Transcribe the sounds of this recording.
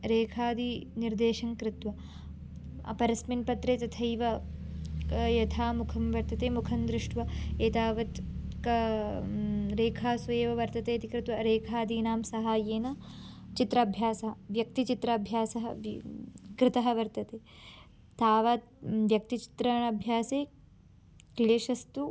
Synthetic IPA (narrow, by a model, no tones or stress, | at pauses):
ɾeːkʰaːd̪iniɾd̪eːʃɐŋkɾɪt̪ʋɐ | ɐ̰pɐɾɐsminpɐt̪ɾeːt̪ɐt̪ʰɐjʋɐ | jɐt̪ʰaːmukʰɐmʋɐɾt̪ɐt̪eːmukʰɐnd̪ɾɪʂʈʋɐeːt̪aːʋɐt̪kɐ | ɾeːkʰaːsujeːʋɐʋɐɾt̪ɐt̪eːt̪ikɾɪt̪ʋɐɾeːkʰaːd̪iːnaːmsɐɦaːjeːnɐt͡ʃit̪ɾɐbʱjaːsɐɦɐʋjɐk̚t̪it͡ʃit̪ɾɐːbʱjaːsɐɦɐ | kɾɪt̪ɐɦɐʋɐɾt̪ɐt̪eː | t̪ʰaːʋaː | ʋjɐk̚t̪it͡ʃi̥t̪ɾɐɳɐɐbʱjaːseː | kleːʃɐst̪u